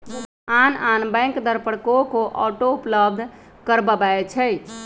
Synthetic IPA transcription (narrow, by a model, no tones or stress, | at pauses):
ananbɛ̃jŋkd̪əɾpəɽkokoʔɔʈoupləb̚d̪ʱ | kəɾbəbat͡ʃʰɛj